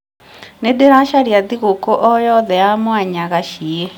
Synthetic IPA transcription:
nedeɾaʃaɾiaðiɣukoʔɔjɔðɛjamwaɲaɣaʃie

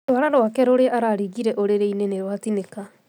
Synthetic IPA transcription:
oaɾaɾwakɛɾoɾeʔaɾaɾiɣiɾɛʔoɾeɾeineneɾwatineka

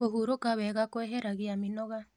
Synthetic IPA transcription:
oɦuɾokaβɛɣakoeɦeɾaɣiaminoɣa

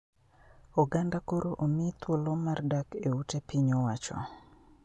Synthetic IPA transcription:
ɔɡandakoɾoʔomɪt̪ʰwolomardakeutepiɲowat͡ʃɔ̰

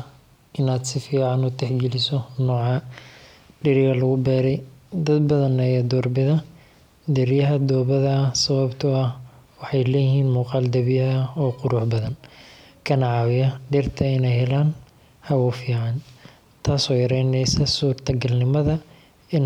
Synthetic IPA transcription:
ʔɪnaːd̪sɪfiːʕɑnʊt̪ʰɛħɡɛlɪsɔnɔːʕɑ | ɖɪɾɪɣɐlɐɣʊbɛːɾɛjd̪ɐd̪bɐðɐnɐjaːd̪ɔːrbɪðɐ | d̪ɛɾjɐɦɐd̪ɔːβɐðɐsɐβɐbt̪ʰʊɐh | wɑħɑjlɛːjɪɦiːnmuːqɑːld̪ɐβɪjɐɐɔːqʊɾʊːħbɐðɐn | kʰɐnɐʕɑːwɪjɐɖɪrt̪ʰɐɪnɛjhɛlaːn | hɐwʊfiːʕɑn | t̪ʰaːsɔːjɐɾɛjnɛjsɐsuːrt̪ʰɐɡɐlnɪmɐðɐ | ɪn

